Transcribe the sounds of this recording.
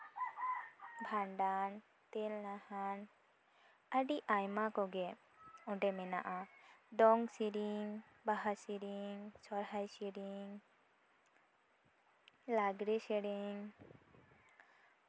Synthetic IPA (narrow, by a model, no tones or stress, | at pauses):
bʱaɳɖan | t̪ɛlnahan | əɖiʔajmakɔɡɛ | ɔ̃ɖɛmɛna̰ʔad̪ɔŋɡsiɾiŋ | baɦasiɾiŋsɔɾɦajsiɾiŋ | laɡɾɛsɛɽiŋ